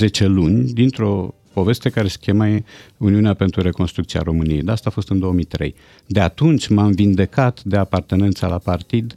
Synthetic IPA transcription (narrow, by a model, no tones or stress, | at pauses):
ze̞t͡ʃe̞lunʲd̪int̪ɾo̞ | po̞ve̞st̪e̞kaɾe̞se̥kʲemajeuniuneape̞nt̪ɾuɾe̞ko̞nst̪ɾuk̚t̪ia̰ɾo̞mɨnijejd̪east̪aːfo̞st̪ɨnd̪o̞omijt̪ɾḛj | d̪e̞at̪unt͡ʃʲmamvind̪e̞kat̪d̪e̞apart̪e̞ne̞nt̪salapart̪id̪